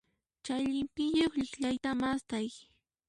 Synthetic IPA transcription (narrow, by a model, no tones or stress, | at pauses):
t͡ʃajʎɪmpɪʎoχʎɪxʎajt̪amast̪aj